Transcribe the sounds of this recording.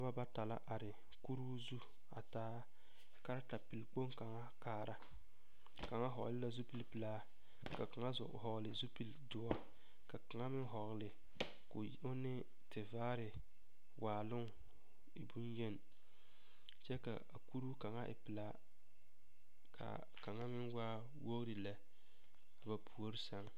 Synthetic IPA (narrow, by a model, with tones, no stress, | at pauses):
a˦ba˦ba˦ta˨la̰˦ʔa˨ɾɪ˨ | ku˦ɾuː˦zu˦ | a̰˨taː˦ | ka˦ɾa˦ta˨pi˨lk͡po˦ŋka˨ŋa˦kaː˨ɾa˦ | ka˨ŋa˦ɦɔ̰˨ɣ̰lɪ˦la˨zu˦pi˦lpɨ˨laː˦ | ka˨ka˨ŋa˦zʊ̰˨ɦɔ˨ɣlɪ˨zu˦pi˦ldʊ˨wa˦ | ka˨ka˨ŋa˦mɪ˦ŋɦɔ˨ɣlɪ˨ | kʊ˨ | ʊ˦nɪ˦ | tɪ˨vaː˦ɾɪ˨ | wʔaː˨lʊ˦ŋ | ɪ˨bu˦njɛ˦n˨ | t͡ʃɛ˦ka̰˨a˨ku˦ɾu˦ka˨ŋa˦ʔɪ̰˨pɪ˨la˦ | kʰa̰˨ | ka˨ŋa˦mɪ˦nwaː˦ | wo˦ɣɾɪ˨la˨ | a˨ba˨pʰu˨o˦ɾɪ˦sa˨˦ŋ